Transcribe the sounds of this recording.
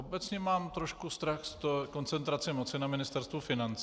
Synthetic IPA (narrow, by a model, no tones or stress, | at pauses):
ʔobɛt͡sɲɛmaːmt̪ɾoʃkust̪ɾaxst̪oko̞nt͡sɛnt̪ɾat͡sɪmot͡sɪnamɪnɪst̪ɛɾst̪vufɪnant͡s